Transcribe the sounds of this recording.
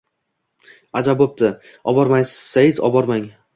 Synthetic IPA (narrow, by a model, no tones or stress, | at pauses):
ad͡ʒabop̚t̪ɪ | ɒbɒɾmajsɪz̥ːajɪzɒ̰bɒɾmaŋ